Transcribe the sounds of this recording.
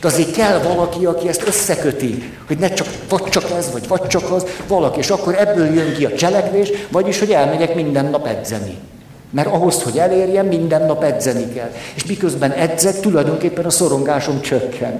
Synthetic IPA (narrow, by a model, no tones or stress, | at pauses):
d̪ɛɒzeːkɛlːvɒlɒkiɒkiɛst̪øsːɛkøt̪i | ho̞ɟnɛt͡ʃɒk | vɒct͡ʃɒkɛzʋɒɟvɒct͡ʃɒkɒzvɒlɒkieːʃɒkːo̞ɾɛbːøːljøŋkiɒt͡ʃɛlɛkʋeːʃvɒɟiʃho̞ɟɛlmɛɟɛkmind̪ɛnːɒpɛ̰d̪zɛ̰nḭ | mɛɾɒɦo̞sho̞ɟɛleːrjɛmmind̪ɛnːɒpɛd̪zɛnikɛ̰lːeːʃmikøzbɛnɛd̪zɛkt̪ulɒjd̪o̞ŋkeːpːɛnɒsoɾo̞ŋɡaːʃo̞mt͡ʃøkːɛ̰nt̪